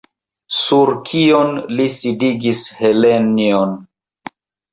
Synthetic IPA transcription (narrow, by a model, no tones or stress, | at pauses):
suɾkʰionlisidiɡishelenion